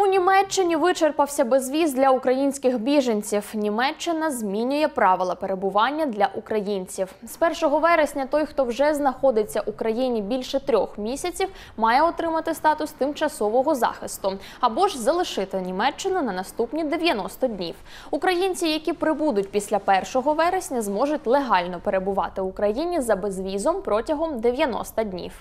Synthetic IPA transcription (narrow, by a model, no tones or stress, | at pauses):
unʲimɛt͡ʃːɪnʲiʋɪt͡ʃerpɐwsʲɐbezʋʲizd̪lʲɐʊkɾɐjinʲsʲkɪxbʲiʒɐnʲt͡sʲiwnʲimɛt͡ʃːɪnɐzʲmʲinʲʊjɛpɾɑʋɪlˠɐpeɾebʊʋɑnʲːɐd̪lʲɐʔukɾɐjinʲt͡sʲiwspɛrʃɔɦɔʋɛɾesʲnʲɐt̪ɔjxt̪ɔwʒɛznɐxɔd̪ɪt͡sʲːɐʔukɾɐjinʲibʲilʲʃɛt̪ɾʲɔxmʲisʲɐt͡sʲiw | mɑjɛɔt̪ɾɪmɐt̪ɪst̪ɑt̪ʊst̪ɪmt͡ʃɐsɔʋɔɦɔzɑ̰xɪst̪ʊ | ɐbɔʒzɐlˠɪʃɪt̪ɪnʲimɛt͡ʃːɪnʊnɐnɐst̪upnʲid̪eʋʲjɐnɔst̪ɔdʲnʲḭw | ʊkɾɐjinʲt͡sʲijɐkʲipɾɪbud̪ʊtʲpʲisʲlʲɐpɛrʃɔɦɔʋɛɾesʲnʲɐzmɔʒʊtʲlˠeɦɑlʲnɔpeɾebʊʋɑ̰t̪ɪʊkɾɐjinʲizɐbezʋʲizɔmpɾɔtʲɐɦɔmd̪eʋʲjɐnɔ̰st̪ɐdʲnʲḭw